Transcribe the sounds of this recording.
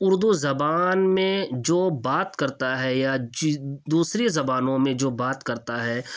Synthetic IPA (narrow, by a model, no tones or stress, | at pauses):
ʊɾd̪uzɐbaːnmẽd͡ʒoːbaːt̪kɐɾt̪aɦɛjad͡ʒd̪uːsɾezɐbaːnõmẽd͡ʒoːbaːt̪kɐɾt̪aɦɛː